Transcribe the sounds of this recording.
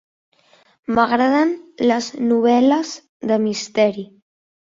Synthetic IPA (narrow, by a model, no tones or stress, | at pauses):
məɣɾaðənləznuβ̞ɛləz | ðəmist̪ɛɾi